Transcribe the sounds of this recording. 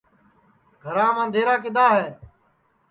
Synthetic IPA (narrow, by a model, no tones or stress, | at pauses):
ɡʱəɾãːmãːnd̪ʱeːɾaːk̬ɪd̪aːɦɛː